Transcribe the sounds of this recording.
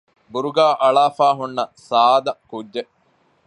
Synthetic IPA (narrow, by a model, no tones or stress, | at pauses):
buɾuɡaːʔɐɭaːfaːɦunːɐsaːd̪ɐkudːe